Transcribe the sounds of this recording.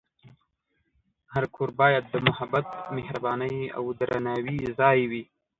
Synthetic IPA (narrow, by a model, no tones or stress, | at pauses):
haɾkʰoɾbɑjad̪ːəmʊhabat̪mɪhɾabɑnəja̰wd̪ɾanɑwizɑjwi